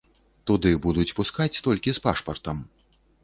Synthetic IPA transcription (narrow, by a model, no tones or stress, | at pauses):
t̪ud̪ɨbud̪ut͡sʲpuskat͡sʲt̪ɔlʲkʲispaʂpɐrt̪ɐm